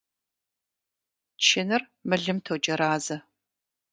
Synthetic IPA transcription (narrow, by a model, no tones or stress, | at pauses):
t͡ʃʰɪnɨr | mɨɮɨmtʰowd͡ʒɐɾaːzɐ